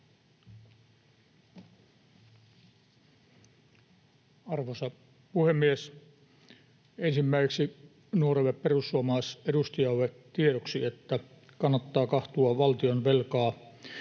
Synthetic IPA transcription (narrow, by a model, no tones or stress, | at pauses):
ɑrʋosɑ | puhemːies | ensimːæiseksi | nuoɾeʋepperusːuɑmɑːsedust̪ijɑʋe | t̪ieɾoksiet̪ːæ | kɑnːɑt̪ːɑːkɑht̪uɑʋɑlt̪ionʋelkɑː